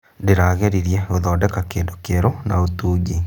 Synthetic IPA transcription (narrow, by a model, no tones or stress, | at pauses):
deɾaːɣɛɾiɾjɛɣoðɔːdɛkakeːndokeɾona̰otuːɟi